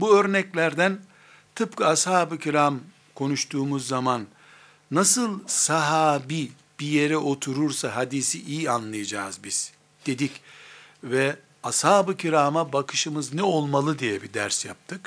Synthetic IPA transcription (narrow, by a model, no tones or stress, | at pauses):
buø̞ɾnɛclʲæɾd̪æn | t̪ʰɯp̚kɯashaːbɯcʰiɾam | kʰo̞nuʃt̪ʰuːmuzːamanː | asɯlˠsaɦaːbi | b̥ije̞ɾɛʔo̞t̪ʰuɾuɾsaɦad̪isiʔijianlˠajad͡ʒa̰ːzbiz̥ | d̪̥e̞d̪ic | vɛ | ashaːbɯcʰiɾamabakʰɯ̥ʃɯmɯznɛo̞lˠmalˠɯd̪ijɛbid̪æ̰ɾsjap̚t̪ʰɯk